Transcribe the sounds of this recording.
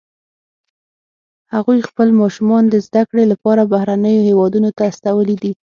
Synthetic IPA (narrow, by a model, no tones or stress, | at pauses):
haɣujxpəlmɑʃumɑnd̪əzd̪akɽelapɑɾabahɾanəjohewɑd̪unot̪aːst̪awəlid̪i